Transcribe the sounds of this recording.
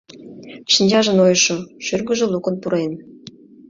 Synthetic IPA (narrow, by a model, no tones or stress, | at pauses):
ʃinʲd͡ʑɑʒə̆nojʃoʃyrɡəʒĕlukə̆npuɾen